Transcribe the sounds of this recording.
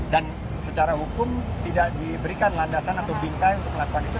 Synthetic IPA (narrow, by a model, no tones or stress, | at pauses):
dan | sət͡ʃaɾaɦukʊmt̪idaʔdibəɾikanlandasanat̪abiŋkajunt̪ʊk̚məlakukanit̪u